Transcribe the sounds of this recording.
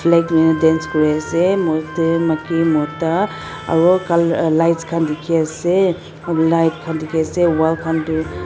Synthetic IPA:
pʰlekminadenskɔɾaasemɔtemakimɔta | a̰ɹɔkallajtskʰandikʰiase | lajt̚kʰandikʰiasewalkʰantu

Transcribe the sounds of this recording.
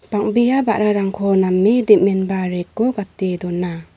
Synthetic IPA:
b̥aŋbijabaʔɾaɾaŋkʰɔnamːidimenbaɾekːɔɡat̪ːed̪ɔna

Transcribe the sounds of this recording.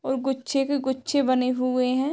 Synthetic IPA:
ɔːɾɡʊtːʃʰekeɡʊtːʃʰebɐneɦʊeɦɛ̃ː

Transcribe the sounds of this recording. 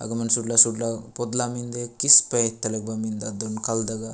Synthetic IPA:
ɐ̰ɡɐmɐnsuɖlasuɖlapod̪lamind̪ekispɐt̪ːɐlek̚bamind̪ad̪onkɐld̪ɐɡa

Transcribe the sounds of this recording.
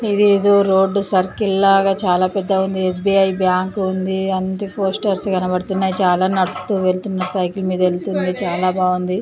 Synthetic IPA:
id̪iːd̪oɾo̞ːɖːsɐɾkilːaːɡaːt͡ʃaːlaːpɛd̪ːɐund̪ies̬biːɐjbjaːŋkund̪iɐnt̪ipo̞ːsʈɐɾsɡɐnɐbɐɽt̪unːaːjit͡ʃaːlaːnɐɽɐst̪uːʋelt̪unːɐsɐjklɐmiːd̪ɐelut̪und̪it͡ʃaːlaːbaːɡund̪i

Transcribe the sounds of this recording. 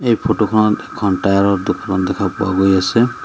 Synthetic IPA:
ejpʰotokʰɔnɔtɛkʰɔntajaɹɔdʊkʰːɔnɔt̚dɛkʰapʊwa̰ɡojasɛ

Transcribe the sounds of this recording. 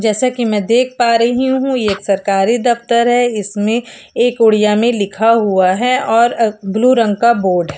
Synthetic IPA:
d͡ʒɛːsakimɛ̃ːd̪eːk̚ʰpaːɾɐɦiɦũjeeːksɐɾkaːɾid̪ɐft̪əɾɦɛɪsmẽ | eːkʊɽijamẽlɪkʰaɦuaɦɛɔːɾɡluɾə̃ŋɡkaboːɾɖɦɛː

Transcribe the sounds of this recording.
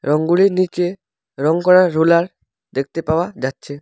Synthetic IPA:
ɾɔŋɡuɭiɾnike | ɾɔŋkɔɽaɾːulaɾ | d̪ek̚ʰt̪epaoad͡ʑatːʃʰe

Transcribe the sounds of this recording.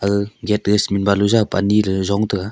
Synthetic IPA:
aɡɯɡɛt̚ɡɯsminbaluzapa̰niɾɯzɔŋtɯa

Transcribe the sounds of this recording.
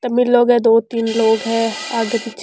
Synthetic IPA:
t̪ɐmilːoːɡɦɛ̃d̪oːt̪iːnloːɡɦɛ̃ːaːɡəpit͡ʃʰ

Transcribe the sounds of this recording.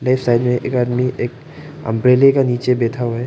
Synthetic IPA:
laɪpʰsaːɪdmẽʔḛːkaːd̪miʔeːk | ɐ̰̃mpɾeːlekaniːt͡ʃebeːt̪ʰaɦoɦɛː

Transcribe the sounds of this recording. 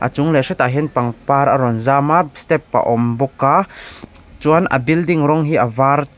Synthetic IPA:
ʔa̰t͡ʃʊŋlɛsɛt̪aɦinpaŋpaɾʔaɾɔnzaːmast̪ɛpːa̰ʔɔmbɔka | t͡suanʔɐ̰bildiŋrɔŋɦiʔavar

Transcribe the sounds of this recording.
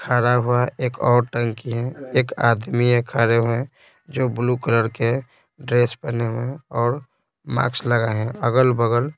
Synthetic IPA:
kʰaːɽaɦuaʔeːkɔːɾʈəŋkiɦɛeːka̰ːd̪miẽkʰaːɾeɦuẽ | d͡ʒoːblukələɾke | ɖɾeːspɛneɦmẽɔːɾ | ma̰ːksləɡaɦɛ̃əɡəlbəɡəl

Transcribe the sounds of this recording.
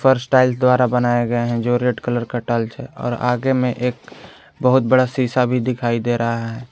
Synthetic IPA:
pʰəɾsʈaɪlsd̪waːɾabənaːeɡəeɦɛ̃d͡ʒoːɾieʈkələɾkəʈəlt͡ʃʰɛɔ̰ːɾa̰ːɡemẽʔeːk̚ | bəɦʊt̪̚bəɽasiːsabʱid̪ɪkʰaːid̪eɾəɦaɦɛː

